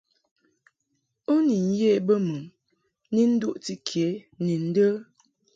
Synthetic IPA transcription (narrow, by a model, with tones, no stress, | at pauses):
o˦ni˨n̩˦je˦˨bə˦mə˨m | ni˦n̩˦du˦ʔti˦kʰe˨˦ | ni˨n̩˦də˦